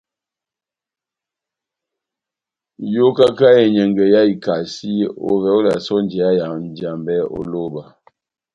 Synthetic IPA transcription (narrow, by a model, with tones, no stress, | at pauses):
jo˦ka˦ka˦jɛ˨ɲə˨ŋɡə˨ja˦i˨ka˨si˦o̰˨vɛ˨˦o˦la˨sɔ˦n˦d͡ʒɛ˨a˦ja˨n˨d͡ʒa˨mbɛ˦o̰˨lo˦ba˨